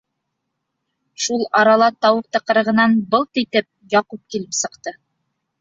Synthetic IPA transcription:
ʃulˠɑɾɑlˠɑt̪ɑwɤq̚t̪ɤ̆qɤ̆ɾɤ̆ʁɤ̆nɑnbɤlˠt̪it̪ɘp̚jɑqup̚kilɘpsɤ̆qt̪ɤ

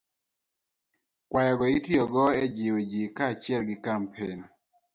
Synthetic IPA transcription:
kwajɔɡɔitiɔɡɔɛd͡ʒɪwed͡ʒikat͡ʃɛlɡɪkampʰen

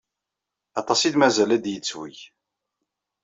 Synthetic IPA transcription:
ɑt̪ˤɑsid̪mæzælæd̪jət͡sːwḭj

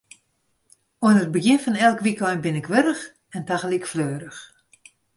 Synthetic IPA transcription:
oənət̚bəɡjɪnfɔnɛlˠkʋikɔjnbɪnɪkʋøɾəx | ɛntaxəlikfløːɾəx

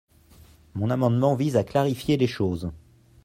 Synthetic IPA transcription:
mɔ̃namɑ̃d̪mɑ̃vizaklaʁifjeleʃoːz

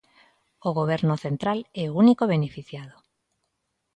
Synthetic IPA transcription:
oɣoβ̞ɛɾnʊθent̪ɾalɛounikoβenefiθjaðo

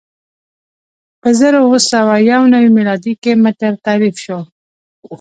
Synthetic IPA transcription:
pəzəɾowəsawajawnawimilɑd̪ikemɪt̪əɾt̪aɾifʃo

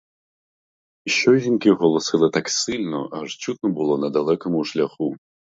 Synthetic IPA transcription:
iɕɔʒʲinkʲiɣɔlˠɔsɨlˠɨt̪aksɨlʲnɔ̰ʔaʐt͡ɕut̪̚nɔbɨlˠɔnɐd̪ɐlˠɛkɐmuʂlʲaxu

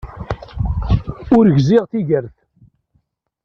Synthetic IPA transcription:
ʊɾʝzɪʁθiʝəɾθ

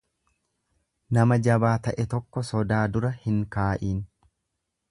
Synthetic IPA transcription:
nɐmɐd͡ʒɐbaːt̪ɐʔɛt̪ɔkːɔsɔd̪aːd̪ʊɾɐhɪŋkaːʔiːn

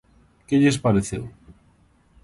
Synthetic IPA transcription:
keʎespaɾeθḛw

